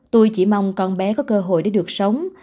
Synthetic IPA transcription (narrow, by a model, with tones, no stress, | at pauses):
t̪u˧jt͡ɕi˧˩ma˧wŋ͡mkɔ˧nɓɛ˨˦kɔ˨˦kəː˧ɦo̰˧˨jɗe˧˩ɗɨ˨˩ək̚sə˨˦wŋ͡m